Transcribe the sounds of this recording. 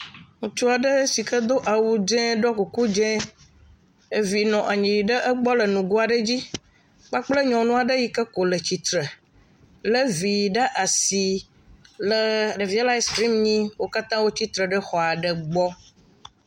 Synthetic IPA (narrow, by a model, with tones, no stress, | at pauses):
ŋũ˨t͡ʃu˦a˨ɖə˦si˨kə˦d̪o˦ʔa˨wu˦d͡ʒɛ̃˦ɖɔ˦ku˨ku˦d͡ʒɛ̃˦ | e˦vi˨nɔ̃˨ʔa˨ɲĩ˨ji˨ɖə˦ʔə˦ɡ͡bɔ˦lə˨nũ˨ɡu˦a˨ɖə˦d͡ʑi˦ | k͡pa˦k͡plə˦ɲɔ̃˨nũ˦a˨ɖə˦ji˦kə˦ko˨lə˨t͡ɕi˨t̪ɾə˨ | lə˦vi˨ji˨ɖa˦ʔa˨si˨ | lə˨ɖə˨vi˦a˦la˦e˦st̪ɾi˦mɲĩ˦wo˦ka˦t̪ã˦wo˦t͡ɕi˦t̪ɾə˨ɖə˦xɔ˨a˨ɖə˨ɡ͡bɔ˦